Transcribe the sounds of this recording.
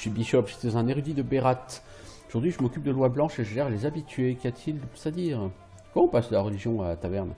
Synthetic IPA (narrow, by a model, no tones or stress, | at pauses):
sɥibiʃɔpʒe̥t̪ɛzɛ̃neʁyd̪id̪əbeʁat̪ | oʒuʁd̪ɥiʒəmɔkʲyp̚d̪əlwablɑ̃ʃeʒəʒɛʁlezabit̪ɥekʲat̪ʰild̪əpsad̪iːʁ | kɔmɑ̃ɔ̃pasd̪əlaʁəliʒjɔ̃at̪avɛʁn